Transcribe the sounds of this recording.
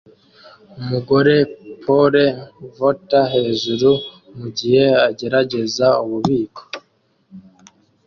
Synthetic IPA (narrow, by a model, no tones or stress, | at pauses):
umuɡo̞ɾe̞pʰo̞ɾevotaɦe̞ːʒuɾu | muɟihe̞aɟe̞ɾaɟe̞zauβuβiːko̥